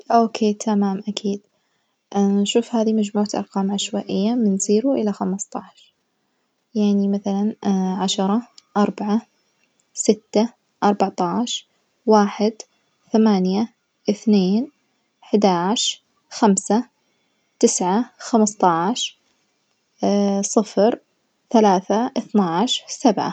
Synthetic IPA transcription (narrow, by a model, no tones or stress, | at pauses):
ʔoːkʰeːt̪ʰamaːmʔakʰiːd̪ | ʔʃuːfhaːðimad͡ʒmuːʕat̪ʔɑ̰ɾˤqɑːmʕaʃwaːʔɪjːamɪnziːɾuʔɪlaxamɨst̪ˤɑʕʃɾ | jaʕnimaθalanʕaʃɑɾˤɑʔɑɾˤbaʕa | sɪt̪ːa | ʔɑɾˤbɑʕt̪ˤɑːʕʃ | waːħɪd̪ | θamaːnja | ʔɪθneːn | ħd̪aʕʃ | xamsa | t̪ɪsʕaxamst̪ˤɑʕʃ | sˤɨfɾ | θalaːθaʔɪθnaʕʃɾsabʕa̰